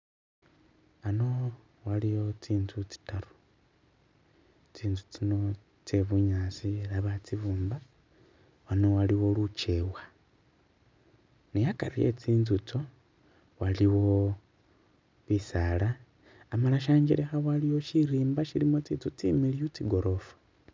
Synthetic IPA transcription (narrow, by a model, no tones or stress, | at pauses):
ano̞ | walijo̞t͡siːnzut͡si̥taɾou̥ | t͡siːnzut͡sino̞ | t͡seβuɲaːsielaβat͡siβuːmba | wano̞waliwo̞lut͡ʃe̞wa | nejakaɾijḛt͡siːnzut͡so̞ | waliwo̞ | βisalaː | malaʃ̬aːɲd͡ʒiɾexawaliwo̞ʃiɾiːmbaʃilimot͡sit͡sut͡sḭmiliut͡siɡo̞ɾo̞fḁ